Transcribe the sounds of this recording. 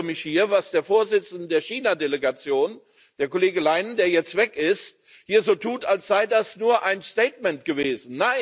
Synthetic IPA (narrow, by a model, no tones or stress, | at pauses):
mɪçhiːɐvasd̥eːɐfoːɐzɪt͡sn̩dədeːɐʃiːnadeleɡat͡sjoːn | d̥eːɐkoleːɡəlaɪnn̩deːɐjɛt͡stv̥ɛkɪst̚ | hiːɐzoːtʰuːtalsz̥aɪdasnuːɐʔaɪnsteːtmɛntɡ̥əveːzn̩naɪ